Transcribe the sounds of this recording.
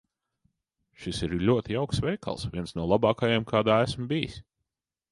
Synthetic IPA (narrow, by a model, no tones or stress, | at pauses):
ʃisiɾlʲuɔt̪ijawksvʲɛjka̰lˠsvʲiɛnsnuɔlˠabɑːkajemkʰaːd̪aːæsmbijḭs